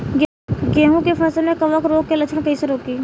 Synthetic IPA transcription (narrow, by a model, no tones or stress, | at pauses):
ɡ | ɡeːɦũkefʰɐsəlmẽkɐʋəkɾoːɡ̚ːelɐt͡ʃʰənkəɪsəɾoːkiː